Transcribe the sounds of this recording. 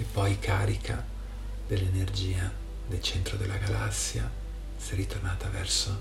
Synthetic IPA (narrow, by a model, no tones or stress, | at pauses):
epːɔjkʰaːɾikʰa̰ | d̪̥elːenerd͡ʒiːa | d̪elt͡ʃɛnt̪ɾod̪elːaɡalasːja̰ | sɛrːit̪ornaːt̪avɛrso